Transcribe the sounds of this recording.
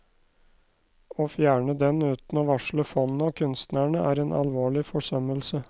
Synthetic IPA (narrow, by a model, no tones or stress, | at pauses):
oːfjæːɳəd̪ɛnʉːt̪n̩oːʋɑʂɭəfɔnn̩oːkʰʉnst̪næɳəʔæːɾeːnʔɑ̰lʋoːɭɪfɔʂœməlsə